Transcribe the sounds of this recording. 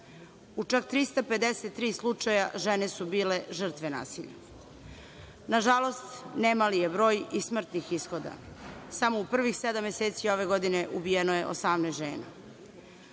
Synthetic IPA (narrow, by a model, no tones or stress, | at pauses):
ut͡ʂak̚t̪ɾist̪ape̞d̪eset̪ːɾiːslˠut͡ʂajaʒenesubiːle̞ʒər̩t̪ʋena̰ːsiʎa̰ | naʒalo̞st̪nemalijebɾo̞ːjismr̩t̪nixisxod̪a̰samo̞upr̩ʋixsed̪amːjeseːt̪sio̞ʋe̞ɡod̪ineʔubijenoje̞ʔo̰samnesʒḛːna̰